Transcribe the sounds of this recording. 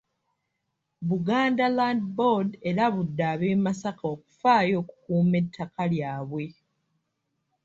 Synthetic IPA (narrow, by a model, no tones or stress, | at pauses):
βuɡaːndalaːndbo̞de̞ɾaβudːaːβeːmasakao̞ːku̥faːjo̞ːku̥kuːme̞tʰːakaljaːβwe̞